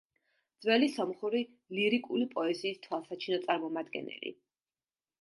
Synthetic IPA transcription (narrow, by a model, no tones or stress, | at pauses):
d̪z̥wɛlisɔmχuɾi | liɾikʼulipʼɔɛziːst̪ʰwalˠsat͡ʃʰinɔt̪sʼaɾmɔmad̪ɡɛ̰nɛ̰lḭ